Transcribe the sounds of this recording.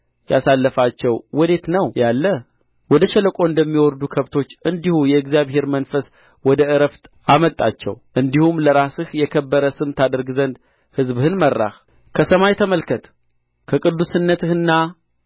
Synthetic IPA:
jasalːəfat͡ʃːɛwwɔd̪e̞t̪nəwjalːə | wɔd̪əʃɛləkʷʼo̞ɨnd̪əmːiwɔɾd̪ukʰəβt̪ʰo̞t͡ʃːɨnd̪ihujɛɨɡzijaβhe̞ɾmənfəs | wɔd̪əɨɾəft̪ʔamət̪ʼːat͡ʃːɛ̰wʔɨnd̪ihumləɾasɨhjɛkʰəbːəɾəsɨmt̪ʰad̪əɾɡzənd̪ | hɨzbhɨnmərːa̰h | kʰəsəmajɛt̪ʰəməlkʰət̪ʰ | kʰəkʼɨd̪ːusɨnːət̪ʰɨhɨnːa

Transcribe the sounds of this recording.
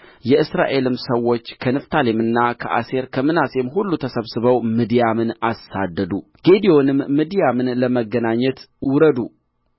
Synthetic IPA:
jɛʔɨsɾa̰ʔe̞lɨmsəwːo̞t͡ʃːkʰənɨft̪ʰalemɨnːakʰə̰ʔa̰se̞ɾkʰəmɨnasemɦulːut̪ʰəsəβsɨβəwmid̪ijamɨnasad̪ːəd̪u | ɡ̥e̞d̪ijo̞nɨmːid̪ijamɨnləməɡːənaɲːɛt̪ | wʊɾəd̪ṵ

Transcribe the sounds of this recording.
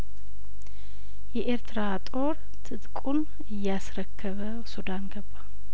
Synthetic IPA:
jɛʔeɾt̪ʰɾat̪ʼo̞ɾ | t̪ʰɨt̪ʼkʼun | ɨjːasɾəkʰːəβə | sud̪anɡəbːa

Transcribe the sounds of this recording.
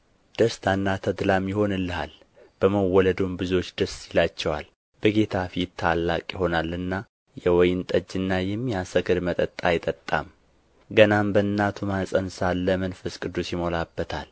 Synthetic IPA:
d̪̥əst̪ʰanːat̪ʰəd̪lamjɪho̞nɨlːəha̰l | b̥əməwːɔləd̪ombɨzo̞t͡ʃːd̪əsjilat͡ʃːɛwa̰l | b̥əɡe̞t̪ʰafit̪ʰːalːa̰kʼjɪho̞nalɨnːa | jɛwɔjnt̪ʼəd͡ʒːɨnːajɪmːjɛasəɡɨɾmət̪ʼət̪ʼːajɪt̪ʼət̪ʼːa̰m | ɡənambəɨnːat̪ʰumasʼənsalːəmənfəskʼɨd̪usjɪmo̞labːət̪ʰa̰l

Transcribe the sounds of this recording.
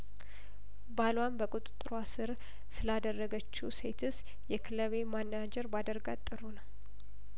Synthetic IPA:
balwambəkʼut̪ʼɨt̪ʼːɨɾoasɨɾ | sɨlad̪ərːəɡət͡ʃːuse̞t̪ʰɨs | jɛkʰɨləβemanːad͡ʒɛɾbad̪əɾɡat̪ʼːɨɾunəw

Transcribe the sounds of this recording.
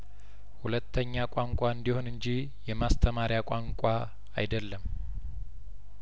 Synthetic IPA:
hulət̪ʰːəɲːakʼaŋkʷʼaɨnd̪iho̞nɨɲd͡ʒi | jɛmast̪ʰəmaɾjakʷʼaŋkʷʼa | a̰jd̪əlːəm

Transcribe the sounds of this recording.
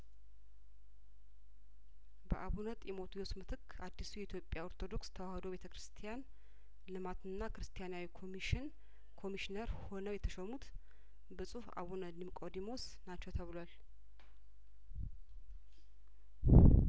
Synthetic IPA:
bə̰ʔaβunət̪ʼjɛmo̞t̪ʰujosmɨt̪ʰɨkʰː | ad̪ːisujɛit̪jo̞pʼːjaoɾt̪ʰo̞d̪o̞kst̪ʰəwahd̪oβe̞t̪ʰəkɨɾɨst̪ʰijan | lɨmat̪ɨnːakɨɾɨst̪ʰijanawikʰomiʃɪn | kʰo̞miʃɪnəɾho̞nəwjɛt̪ʰəʃəmut̪ | bəsʼufa̰βunəlimkʼod̪imo̞s | nat͡ʃːɛwt̪ʰəβɨlal

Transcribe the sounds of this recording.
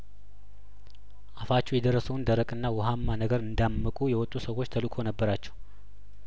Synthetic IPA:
ʔafat͡ʃːɛwjɛd̪ərːəsəwnd̪əɾəkʼɨnːawʊɦamːanəɡəɾɨnd̪amːəkʼujɛwɔt̪ʼːusəwo̞t͡ʃːt̪ʰəlɨkʰo̞nəbːəɾat͡ʃːɛw

